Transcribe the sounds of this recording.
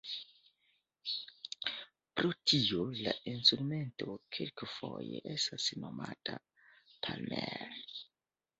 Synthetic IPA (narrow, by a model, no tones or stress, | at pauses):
pɾo̞tʰiolainstɾume̞nto̞kʰelkfojḛʔestasno̞matʰa | pʰalmeɾ